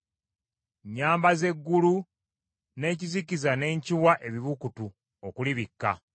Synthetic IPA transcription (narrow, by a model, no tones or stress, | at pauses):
ɲːaːmbaze̞ɡːulu | ne̞ːcizikizane̞ːɲciwaʔe̞βiβukutu | okuliβikːa̰